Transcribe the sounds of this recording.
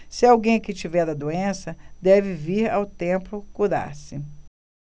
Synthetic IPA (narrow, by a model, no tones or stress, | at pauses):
sɪawɡẽj̃kɪt͡ʃivɛɾd̪ɐd̪oẽsɐd̪ɛvɪviɾa̰wt̪ẽmplʊkud̪a̰ɾsɪ